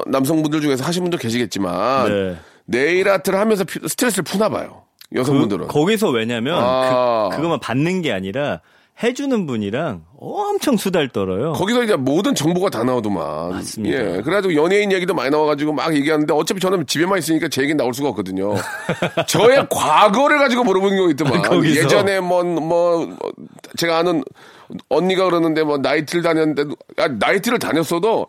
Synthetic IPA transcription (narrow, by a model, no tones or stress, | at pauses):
nams̬ʰʌŋbundɯɭd͡ʑuŋe̞s̬ʰʌhaɕ̬ʰimbundoke̞ɕʰiɡe̞t̚t͡ɕ͈ima̰neː | e̞iɾatʰɯɾɯɭhamjʌns̬ʰʌpʰsʰɯ̥tʰɾes̬͈ɯɯɭpʰunaba̰jo̰ | jʌsʰʌŋmbundɯɾɯ̰nkʌɡis̬ʰʌwe̞ɲamjʌnɯkɯɡʌmapanːɯnɡe̞aɲiɾa | he̞d͡ʑunɯnbuɲiɾaŋʌmt͡ɕʰʌŋsʰudaɭt͈ʌɾʌjokʌɡisʰʌid͡ʑe̞modɯnt͡ɕʌŋbuɡatanaodoma̰nje̞kɯɾeɡad͡ʑiɡojʌneinje̞ɡidomaɲinawaɡad͡ʑiɡoma̰ɡje̞ɡiɦanɯnde̞ʌt͡ɕ͈epʰet͡ɕʌnɯnt͡ɕibemais̬͈ɯɲik͈at͡ɕeeɡenaoɭs̬͈uɡaʌk͈ʌdɯɲo | t͡ɕʌe̞kwaɡʌɾɯɭɡad͡ʑiɡomuɾʌbonɯnɡjoɡoit̚t͈omaknɡije̞d͡ʑʌne̞mwʌnmwʌ̰ | t͡ɕe̞ɡaːnɯn | ʌɲːiɡakɯɾʌnːɯnde̞mʌnaitʰɯɾɯɭtaɲʌnːɯndedoanaitʰɯɾɯɭtaɲʌs͈ʰʌdo